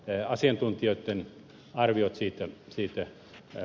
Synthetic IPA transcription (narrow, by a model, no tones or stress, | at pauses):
ɑsiɑnt̪unt̪ioit̪ːen | ɑrʋiot̪siːt̪æsiːt̪æ